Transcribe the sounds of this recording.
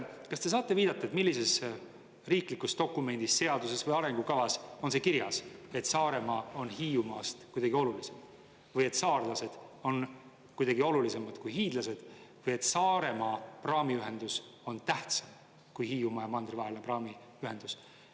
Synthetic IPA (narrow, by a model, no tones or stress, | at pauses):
kɑst̪e̞s̬ɑːt̪ːˑe̞viːd̪̥ɑt̪ˑːɑet̪milːise̞s | riːklikːust̪o̞kːˑume̞nʲd̪̥isːe̞ɑd̪̥use̞svɤjɑɾe̞ŋɡukɑvɑso̞nse̞kiɾjɑse̞t̪sɑːɾe̞mɑo̞nɦiːumɑːst̪kujd̪̥ɑɡio̞lulisem | vɤje̞t̪sɑːrlɑse̞d̪̥o̞n | kujd̪̥ɑɡio̞lulise̞mɑd̪̥kujɦiːd̪̥lɑse̞d̪̥vɤje̞t̪ːˑsɑːɾe̞mɑprɑːmiyɦe̞nd̪̥us | o̞nt̪æht̪sɑm | kujɦiːumɑːjɑmɑnd̪rivɑɦelʲineprɑːmi | yɦe̞nd̪̥us